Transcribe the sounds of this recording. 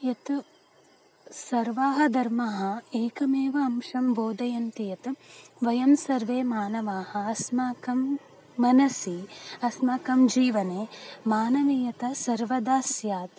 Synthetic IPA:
jɐt̪ | sɐɾʋaːɦɐ̆d̪ʱɐɾmɐɦɐ̆eːkɐmeːʋɐːmʃɐmboːd̪ɐjɐnt̪ijɐt̪ʋɐjɐmsɐɾʋeːmaːnɐʋaːhɐ̆ɐsmaːkɐmː | ɐnɐsiɐsmaːkɐmd͡ʒiːʋɐneːmaːnɐʋeːjɐt̪ɐsɐɾʋɐd̪aːsjaːt̪

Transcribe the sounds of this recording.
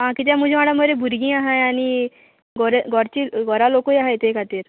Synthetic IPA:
ɦãkit̪̬jam̤ud͡ʑʱemaɽaməɾebʱuɾɡĩːaɦajañi | ɡɔɾeɡʱɔɾt͡ɕiːɡʱɔɾalokəjaɦajt̪ekʰat̪iːɾ

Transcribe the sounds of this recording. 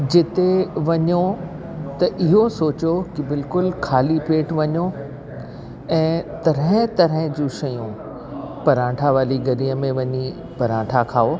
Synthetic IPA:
d͡ʑɪt̪eʋɐɲo | t̪ɐʔɪɦosoːt͡ɕokɪbɪlkʊlkʰaːlipeːʈʋɐɲo | ɛ̃ːt̪ɐɾə̃t̪ɐɾə̃d͡ʑũːʃɐjũ | pɐɾãːʈʰaʋaːliɡɐɾiːəmẽʋɐɲi | pɐɾãːʈʰakʰaːo

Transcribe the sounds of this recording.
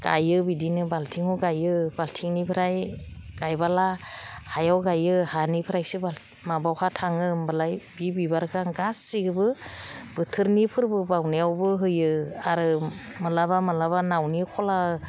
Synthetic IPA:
ɡa̰jɯbidinɯbaltʰiŋuɡajɯbaltʰiŋnipʰɾajɡ̥ajbalahajawɡajɯhanipʰɯɾajsɯba | mabawhʰatʰaŋɯmbalajbibibaɾkʰaŋɡasːiɡɯbɯb̥ɯtʰɯɾnipʰɯɾbɯbawnijawbɯɦɯjɯaɾɯ | mɯlabamɯlaβanawnikʰɔla

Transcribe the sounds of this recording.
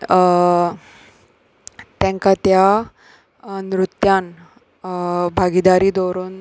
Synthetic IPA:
t̪jɛ̃ŋkat̪ja | nɾut̪jan | bʱaɡid̪aɾiːd̪ɔɾuːn

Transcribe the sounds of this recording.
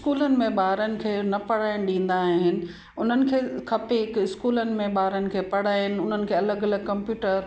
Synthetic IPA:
ɪskuːlənɪ̆mẽɓaːɾənɪ̆kʰeːnɐpɐɽ̤aːɪñɗĩːn̆d̪aːɦɦɪnɪ̆ | ʊn̤ənɪ̆kʰeːkʰɐpeɪkɪskuːlənɪ̆mẽɓaːɾənɪ̆kʰeːpɐɽ̤aːɪnɪ̆ʊn̤ənɪ̆kʰeːɐləɡɐləɡkɐ̃mpjuːʈəɾ

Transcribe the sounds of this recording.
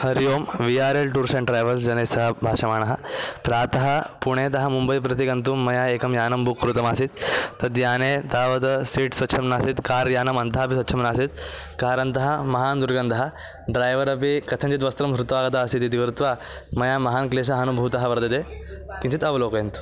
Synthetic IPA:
hɐɾjoːmʋiaːɾelʈuːɾseɳʈɾaːjʋɐlsd͡ʑɐneːsɐɦɐbʱaːʂɐmaːɳɐɦɐpɾaːt̪ɐɦɐpuɽ̃et̪ɐɦɐmumbɐjpɾɐt̪̬iɡɐnt̪uːɐjaːeːkɐmjaːnɐmbukːɾut̪ɐmaːsit̪ːɐt̪jaːnet̪aːʋɐt̪ɐsiːʈsʋɐt̪ːʃʰɐmnaːsit̪kaːɾjaːnɐmɐnt̪aɦɐpisʋɐt̪ːʃʰɐmnaːsit̪̚ | kaːɾɐnt̪ɐɦɐmɐɦaːnd̪uɾɡɐnt̪ɐɦɐ | ɖɾaːjʋɐɾɐpikɐt̪ʰɐɲt͡ɕit̪ʋɐst̪ɾɐmsɾut̪ʋaːɡɐt̪aːsit̪it̪ikɾut̪ʋaː | mɐjamɐɦaːnkleːs̬ɐɦɐnubʱɐʋt̪ɐɦɐʋɐɾd̪ɐt̪ekĩɲt͡ʃit̪ɐʋɐloːkɐjɐnt̪u̥

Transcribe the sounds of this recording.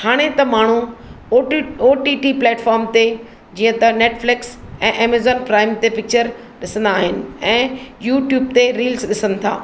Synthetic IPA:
haːɽ̃et̪ɐmaːɳ̤u | oːʈiːʈiplɛːʈfɔːɾmt̪e | d͡ʑiːə̃t̪ɐneːʈflɪks | ɛ̃ːʔeːmezɔːnpɾaːɪmt̪epɪk̚t͡ɕəɾ | ɗɪsə̃nd̪aːɦɪnɪ̆ɛ̃ːjuːʈjuːb̚t̪eɾiːlzɗɪsə̃nɪ̆t̪ʰa̰ː

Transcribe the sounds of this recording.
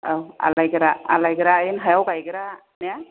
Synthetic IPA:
awa̰lajɡɾaa̰lajɡɾajinɦajawɡajɡɛɾa | nɛa

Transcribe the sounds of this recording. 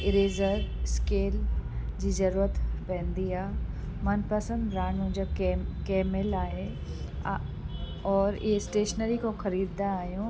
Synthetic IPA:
ɾeːzəɾskeːld͡ʑiːzɐɾuːɾət̪pɛ̃ɦə̃nd̪iaːɦ | mɐnpɐsə̃nd̪ɾaːnũd͡ʑaːkeːmɪlaːɦe | ɔːɾɪ̰ɦesʈeːʃnəɾikʰõxɐɾiːd̪naːɦijũ

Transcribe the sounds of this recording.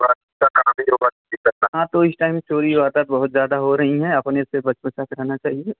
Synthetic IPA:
baːt̪ | t̪akaamẽobat̪̚ːdikɐɾt̪aɦãːt̪oɪsʈaːɪmt͡ʃoːɾiʋaːɾd̪at̪̚bɐɦʊt̪zjaːd̪aɦoɾɐɦiɦɛ̃ɐpnesebɐt͡ʃpət͡ʃakɾɛɦnat͡ʃaːɦie

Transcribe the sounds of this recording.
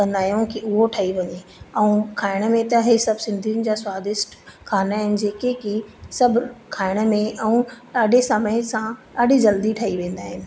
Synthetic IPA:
kɐ̃nd̪aːɦjõkiʊɦoʈʰɐiʋɐɲeɛ̃ũkʰaːɪɽ̃əmẽt̪ɐɦesɐbʱsɪ̃nd̪ʱinɪ̆d͡ʑaːswaːd̪ɪʃʈkʰaːnaːɦɪnɪ̆d͡ʑeːkekisɐbʱkʰaːɪɽ̃əmẽʔɛ̃ũɗaːɗesɐməjsãɗaːɗid͡ʑɐld̪iʈʰɐɦiʋẽːn̆d̪aːɦɪnɪ̆

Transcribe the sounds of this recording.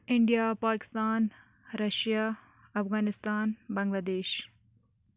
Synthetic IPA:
ɪɳɖijaːpaːkɪ̥st̪aːn | ɾɐʃjaː | ɐfɣaːnɪst̪aːnbɐ̃ŋɡlaːd̪eːʃ

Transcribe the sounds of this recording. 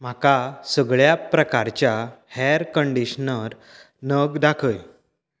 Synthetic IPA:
m̤akasəɡɭjapɾəkaɾt͡ɕjahɛɾkəɳɖiɕnəɾ | nəɡd̪akʰəj

